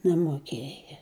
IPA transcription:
nʲɛmoːˈkʲeːjɛ

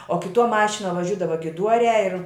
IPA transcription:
oː kʲɪˈtuɔ ˈmɑːʃʲɪnuɔ ʋɐˈʒʲʊdɐʋɐ ɡʲɪˈduɔrʲæː ɪr

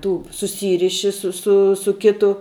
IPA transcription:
ˈtuː sʊˈsʲiːrʲɪʃʲɪ sʊ ˈsʊ sʊ ˈkʲɪtʊ

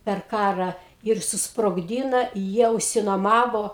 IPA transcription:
pʲɛr ˈkɑːrɑː ɪr sʊsproːɡˈdʲiːnɐ ˈjiɛ ʊʃʲsʲɪnuɔˈmɑːʋoː

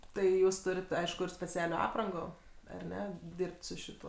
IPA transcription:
tɐɪ ˈjuːs ˈtʊrʲɪt ˈɐɪʃkʊ ɪr sʲpʲɛˈt͡sʲæːlʲoː ˈɑːprɐŋɡoː ɐr ˈnʲɛ ˈdʲɪrpt sʊ ʃʲɪˈtuɔ

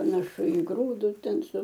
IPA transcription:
pɐnɐˈʃʊ ɪ ˈɡruːdʊs ˈtʲɛn sʊ

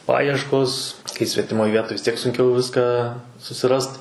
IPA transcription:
ˈpɑːjiɛʃkoːs kɐɪ sʲʋʲɛtʲɪˈmoːj ˈʋʲiɛtoːj ʋʲɪs ˈtʲiɛk sʊŋʲˈkʲɛʊ ˈʋʲɪskɑː sʊsʲɪˈrɐst

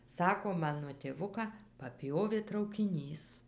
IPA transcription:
ˈsɑːkoː ˈmɑːnoː tʲeːˈʋʊkɑː pɐˈpʲjoːʋʲeː trɐʊkʲɪˈnʲiːs

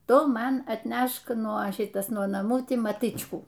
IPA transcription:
ˈtʊ ˈmɐn ɐtʲˈnʲɛʃk nuɔ ˈʃʲɪtɐs nuɔ nɐˈmuː ˈtʲiː mɐˈtɨt͡ʃkuː

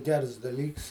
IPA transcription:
ˈɡʲɛrs dɐˈlʲiːks

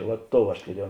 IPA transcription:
ʋɐt ˈtoːʊ ɐʃ tʊˈrʲiɛjɛʊ

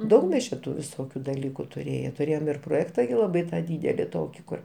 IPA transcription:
ˈdɐʊk mʲɛs t͡ʃʲɛ ˈtuː ʋʲɪˈsoːkʲʊ dɐˈlʲiːkʊ tʊˈrʲeːjɛ tʊˈrʲeːjoːm ɪr proːˈjæːktɐ ɡʲɪ lˠɐˈbɐɪ ˈtɑː ˈdʲiːdʲɛlʲɪ ˈtoːkʲɪ ˈkʊr

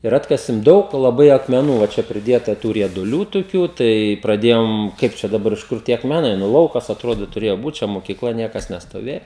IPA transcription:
ɪr ˈɑːtkɐsʲɪm ˈdɐʊk lˠɐˈbɐɪ ɐkmʲɛˈnuː ʋɐ ˈt͡ʃʲɛ pʲrʲɪˈdʲiɛtɐ ˈtuː rʲiɛdʊˈlʲuː tʊˈkʲuː tɐɪ prɐˈdʲeːjoːm ˈkɐɪp t͡ʃʲɛ dɐˈbɐr ɪʃ ˈkʊr tʲiɛ ɐkmʲɛˈnɐɪ nʊ ˈlˠɐʊkɐs ɐtˈroːdoː tʊˈrʲeːjoː buːt t͡ʃʲɛ moːkʲiːˈklˠɐ ˈnʲiɛkɐs nʲɛstoːˈʋʲeːjɛ

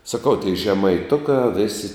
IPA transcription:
sɐˈkɐʊ tʲiɛɪ ʒʲɛmɐɪˈtʊkɑː ˈʋʲeːsʲɪ

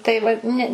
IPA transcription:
tɐɪ ˈʋɐ ˈnʲɛ

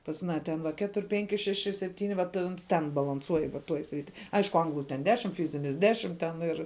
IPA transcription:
pɐs ɐˈnɑː tʲɛn ˈʋɐ ˈkʲæːtʊrʲ ˈpʲɛŋʲkʲɪ ˈʃʲæːʃʲɪ sʲɛˈpʲtʲiːnʲɪ ʋɐt ˈɐns tʲɛn bɐlˠɐnˈsuɔj ʋɐ ˈtuɔj ˈsʲrʲɪtʲɪ ˈɐɪʃkʊ ˈɐŋɡlˠʊ tʲɛn ˈdʲæːʃʲɪm ˈfʲiːzʲɪnʲɪs ˈdʲæːʃʲɪm ˈtʲɛn ɪr

